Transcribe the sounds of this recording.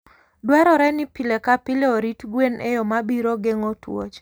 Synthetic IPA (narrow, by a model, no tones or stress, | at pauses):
dwaɾɔɾɛnɪpilekapilɛoɾitɡwenʔejɔmabiɾoɡeŋotwo̰t͡ʃ